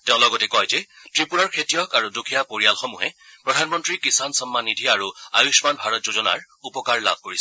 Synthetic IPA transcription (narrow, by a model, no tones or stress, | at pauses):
teʊ̃lɔɡɔtɛkɔjzɛtɹipuɹaɹkʰetijɔkaɹudukʰijapoɹijalxɔmuɦɛpɹɔdʱanmɔntɹikisansɔmːanːidʱiaɹua̰jusmanbʱaɹɔtzozɔna̰ɹ | upɔkaɹla̰b̚ʱkoɹisɛ